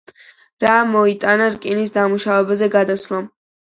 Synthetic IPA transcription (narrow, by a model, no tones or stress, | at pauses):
ɾamɔit̪ʼanaɾkʼinisd̪amuʃavɛbazɛɡad̪aslˠa